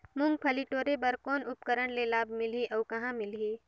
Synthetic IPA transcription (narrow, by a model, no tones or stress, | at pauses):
mʊŋɡ̚pʰɐliʈoːɾebɐɾkɔːnʊp̚kəɾəɽlelaːbmɪlɦiʔɐkɐɦãmɪlɦiː